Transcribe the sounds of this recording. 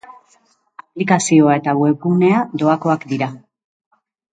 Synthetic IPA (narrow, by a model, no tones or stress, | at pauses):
aplikasio̞ae̞t̪aβwe̞kune̞ad̪o̞ako̞akd̪iɾa